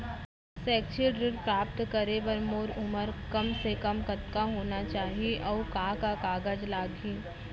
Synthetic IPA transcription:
sɛːkʃiɖɾɪɾpɾaːp̚t̪kɐɾeʋɐɾmoːɾʊməɾkɐmsekɐmkɐt̪kaɦoːnat͡ʃaːɦieʔɔːkaːkakaːɡəd͡ʒlaːɡĩː

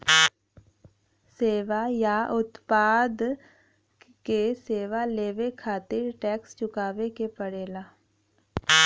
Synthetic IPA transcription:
seːʋajaʔʊt̪paːd̪ | keseːʋaleːʋekʰaːt̪ɪɾʈɛːkst͡ʃʊkaːʋekepəɽeːlaː

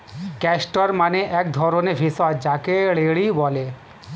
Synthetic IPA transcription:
kɛsʈoɾmaneʔɛk̚d̪ʱɔɾonebʱisɔd͡ʑakeɭeɽibɔle

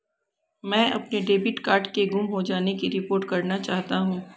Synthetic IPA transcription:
mɛ̃ːʔɐ̰pneɖeːbɪʈkaːɾʈkeɡʊmɦod͡ʒaːnekiɾɪpoːɾʈkɐɾnat͡ʃaːɦt̪aɦũː

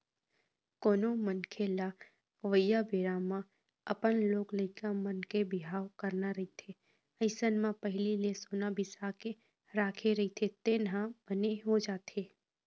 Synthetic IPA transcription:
koːnõmənkʰela | ʋəjabeːɾamã | əpənloːklɐɪkamənkebɪɦaːwkəɾnaɾɐɦit̪ʰe | əɪsənmãpəɦlilesoːnabɪsaːke | ɾaːkʰeɾɐit̪ʰet̪eːnɦãb̥əneɦod͡ʒaːt̪ʰeː

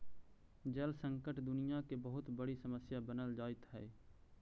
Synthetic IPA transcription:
d͡ʒəlsə̃ŋkəʈd̪ʊnɪjakebəɦʊt̪bəɽisəməsjabənəld͡ʒaːɪt̪ɦɛː

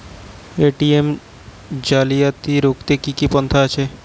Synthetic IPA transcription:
eʈiem | d͡ʒalijat̪iɾokt̪ekikipɔnt̪ʰaat͡ʃʰe

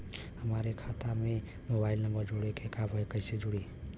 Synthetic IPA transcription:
ɦəmaɾekʰat̪ame | mobailnəmbəɾd͡ʒoɽekekabʱəekəjsed͡ʒoɽi

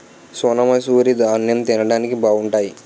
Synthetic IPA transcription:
soːnɐmɐjsuːɾid̪anjɐmt̪inɐɽaːnikibaːuɳʈaːji

